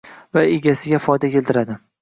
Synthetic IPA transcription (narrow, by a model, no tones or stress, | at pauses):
vaeɡʲasɪɡʲafɒjd̪akʲʰe̞lt̪ʰɪɾad̪ɪ